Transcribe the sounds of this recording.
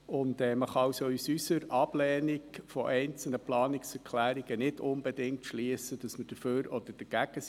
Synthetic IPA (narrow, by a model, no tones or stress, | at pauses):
ʊndɛːməχɑɑwsɔysysəɾɑb̥lɛːniɡfɔʔɛɪnt͡sl̩nəplɑːnɪksɛɾkʰlæːɾiɡ̥ənɪdʊnbɛdɪŋ̚tʃliːəsəd̥ɑsməd̥əføːɾɔd̪əɾd̥əɡ̥æɡ̥əs